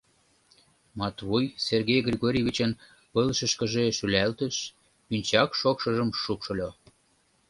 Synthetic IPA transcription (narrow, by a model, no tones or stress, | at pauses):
mɑt̪βujserɣejɡrʲiɣoɾʲeβʲit͡ɕən | pəlʃə̆ʃkə̆ʒeʃylælt̪ə̆ʃ | pynʲt͡ɕɑkʃokʃə̆ʒəmʃukʃɤ̆lʲo